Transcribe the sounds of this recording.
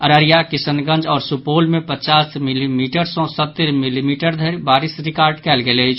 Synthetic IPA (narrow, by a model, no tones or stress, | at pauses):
əɾəɾijakisənɡə̃nd͡ʒɔːɾsupoːlmepət͡ʃaːsmilimiʈəɾsɔ̃sət̪ːəɾmilimiʈəɾd̪ʱəɾbaːɾisɾɪkaːɾɖkɛːlɡeləɪt͡ʃʰ